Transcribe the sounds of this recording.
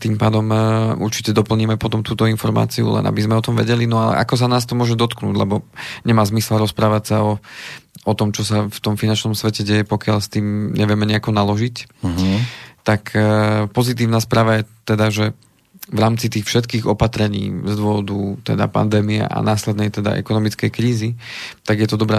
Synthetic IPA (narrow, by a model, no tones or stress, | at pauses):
t̪iːmpaːd̪ɔmṵɾt͡ʃi̥cɛd̪ɔpl̩ɲiːmɛpɔt̪ɔmt̪uːt̪ɔinfɔɾma̰ːt͡siṵlɛ̰na̰bizmɛɔt̪ɔmʋɛ̰ɟɛlinɔalɛ̰ʔa̰kɔs̬anaːst̪ɔmʊɔʒɛd̪ɔt̪knuːɟlɛbɔɲɛmaːzmislɾɔspɾaːʋacsaɔ | ɔt̪ɔmt͡ʃɔsaft̪ɔmfinant͡ʃnɔmsʋɛcɛɟɛjɛpɔkɪalst̪iːmɲɛʋɪɛmɛɲɛakɔnalɔʒic | t̪akʰpɔzit̪̬iːʊnaspɾaːʋajɛt̪ɛd̪aʒɛ | ʋɾaːmt͡sit̪iːxfʃɛt̪kiːɣɔpat̪ɾɛɲḭːzd̪ʊɔʋɔd̪ut̪ɛd̪a̰pa̰nd̪ɛːmiɛ̰ʔa̰naːslɛd̪nɛjt̪ɛd̪a̰ʔɛ̰kɔnɔmit͡skɛjkɾiːzit̪aɡjɛt̪ɔd̪ɔbɾɛ